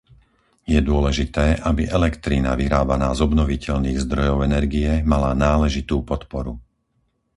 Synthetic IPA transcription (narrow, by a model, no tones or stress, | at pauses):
jɛd̪ʊɔlɛʒit̪ɛːʔabiʔɛlɛkt̪ɾina̰ʋiɾaːbanaːzɔbnɔʋicɛʎniːɣzd̪ɾɔjɔʊɛnɛɾɡiɛmalanaːlɛʒit̪uːpɔt̪pɔɾu